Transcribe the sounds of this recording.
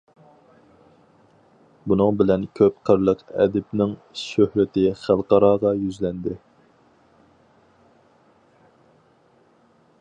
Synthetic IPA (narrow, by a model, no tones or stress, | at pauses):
bunɨŋbɪlɛnkʲʰøp̚qʰəɾlˠəqɛ̰d̪ɪpnɪŋʃøhɾɪt̪ɪχælˠqɑɾɑːʁɑjyzlɛnd̪ɪ